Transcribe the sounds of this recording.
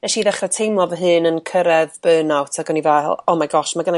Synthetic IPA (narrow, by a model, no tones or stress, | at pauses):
nɛʃiðɛχrɛtʰejmlˠɔvəɦɨːnənkʰəɾɛðb̥øːnɔwtʰaɡɔniva̰lˠɔmaɡɔʃmaɡəna